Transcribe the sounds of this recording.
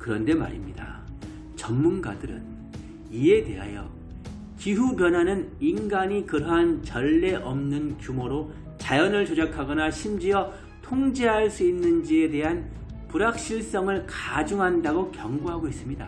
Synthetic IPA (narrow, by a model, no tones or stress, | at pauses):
kɯɾʌnde̞ma̰ɾimɲida̰ | t͡ɕʌnmːunɡa̰dɯɾɯ̰n | ie̞de̞̰ɦa̰jʌ̰ | kiɦupjʌnɦanɯninɡaɲikɯɾʌɦant͡ɕʌɭːe̞ʔʌmnɯnkjumoɾo | t͡ɕajʌnɯɭt͡ɕod͡ʑakʰaɡʌnaɕʰimd͡ʑiʌ | tʰoŋd͡ʑe̞ɦaɭs͈uinːɯnd͡ʑie̞de̞ɦan | puɾak̚ɕ͈iɭs͈ʌŋɯɭkad͡ʑuŋɦandaɡokjʌŋɡoɦaɡois͈ɯmɲida̰